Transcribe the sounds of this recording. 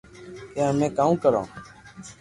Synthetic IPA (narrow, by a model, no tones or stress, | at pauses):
kẽəmẽːkaːũːkəɾã̰ː